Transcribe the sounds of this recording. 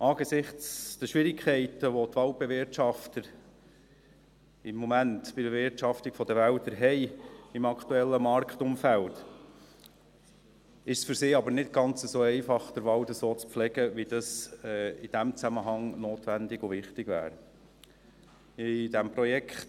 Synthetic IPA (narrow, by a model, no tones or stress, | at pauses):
ʔɑːɡesɪχt͡st͡sd̥̪əʃʋɪɾɪkʰɛɪtəʋɔt̪ʋɑlwb̥evɪɾtʃɑft̪əɾ | ɪmːɔmæntb̥ɪevɪɾtʃɑftikfɔd̪əʋælt̪əɾɦɛɪɪmɑkt̪uɛlːəmɑɾkχt̪ʊmfælt | ɪʃsfʏɾsɪːɑbəɾnɪtɡ̥ɑnt͡səsoːɛɪfɑχd̥əɾʋɑwd̪əsoːt͡sp͡flɛɡəʋid̥ɑsɛɪd̥æmt͡sæməɦɑŋnoːt̪ʋændɪɡʊvɪχtɪɡvæ̰ːɾ | ɪd̥̪æmpɾɔjɛkʰχt